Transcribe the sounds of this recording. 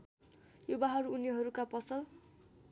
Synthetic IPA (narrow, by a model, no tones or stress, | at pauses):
jubaɦʌɾuunjiɦʌɾukapʌsʌl